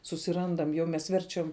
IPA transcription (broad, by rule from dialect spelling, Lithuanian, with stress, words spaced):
sʊsʲɪˈrɐndɐm jɛʊ mʲɛs ˈʋʲɛrʲt͡ʃʲɛm